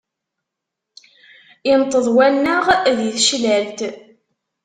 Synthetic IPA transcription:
int̪ˤːəðˤwælnəʁðiθʃlælt̪

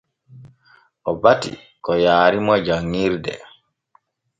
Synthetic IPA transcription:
ʔɔbatḭ | kɔjaːɾimɔd͡ʒaŋːiɾdɛ̰

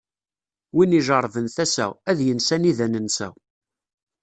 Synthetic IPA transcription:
winiʒəɾˤvənθæsæ̰æðjənsæniðænənsæ̰

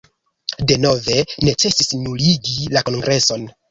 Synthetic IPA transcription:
de̞no̞ve̞ne̞t͡se̞sisnuliɡilako̞nɡɾe̞so̞n

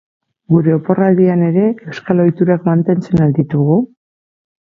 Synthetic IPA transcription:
ɡuɾe̞opo̞rald̪iane̞ɾe̞e̞wskalo̞jt̪uɾakmant̪e̞nt͡se̞nald̪it̪uɣu

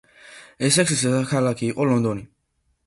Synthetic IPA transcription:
ɛsɛksisɛsakʰalakʰiːqʼɔlɔnd̪ɔni

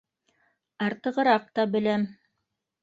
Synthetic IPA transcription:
ɑɾt̪ɤ̆ʁɤ̆ɾɑq̚t̪ɑbɘ̆læm

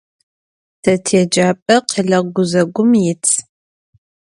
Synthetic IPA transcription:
tʰɐtʰed͡ʒaːpʼɐqiɮɐɡʷʊzɐɡʷʊmjɪt͡sʰ

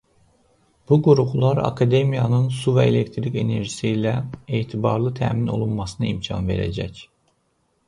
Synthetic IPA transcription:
b̥uɡuɾuʁulˠaɾa̰kʰad̪emijanɯnsuvɛelʲec̚t̪ʰɾicene̞ɾʒisiilʲɛeːt̪ʰibɑɾlˠɯt̪ʰæ̰mino̞̰lˠunmɑsɯnɯimcʰɑ̰nve̞̰ɾḛd͡ʒɛc

